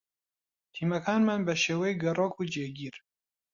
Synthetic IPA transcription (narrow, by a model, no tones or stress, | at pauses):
t̪ʰiːmɐkʰɑːnmanbɐʃeːwɛjɡɐrok̚ud͡ʒeɡiːɾ